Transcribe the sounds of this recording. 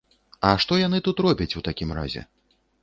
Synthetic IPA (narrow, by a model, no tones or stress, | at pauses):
ɐʂt̪ɔjan̪ɨt̪ut̪rɔbʲɐt͡sʲut̪akʲimɾa̰zʲɛ̰